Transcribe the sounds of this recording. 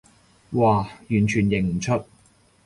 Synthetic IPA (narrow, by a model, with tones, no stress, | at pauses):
waː˧˩jyː˨˩nt͡ʃʰyː˨˩njɪ˨˩ŋm̩˨˩t͡sʰɵ˥t̚